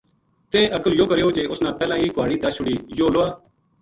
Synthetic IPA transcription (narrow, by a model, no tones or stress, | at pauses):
t̪ẽːʔəɡəljoːkəɾeːoːd͡ʒeːʔʊsnãːpɛːlãːiːkʊʋaːɽiːd̪aːʃʊɽiːjoːloːaː